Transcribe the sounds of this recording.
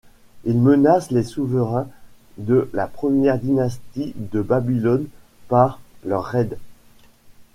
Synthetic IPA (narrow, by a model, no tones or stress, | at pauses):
ilmənaslesuvəʁɛ̃ | d̪əlapχəmjɛʁd̪inast̪id̪əbabilɔn | paʁlœʁːɛd̪